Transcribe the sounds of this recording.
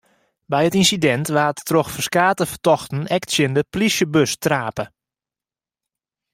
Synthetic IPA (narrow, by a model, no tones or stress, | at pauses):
bɛjətinsidɛntʋaːtːroxfərskaːtəfərtɔxtən̩ɛktsjəndəplisjəbøstraːpə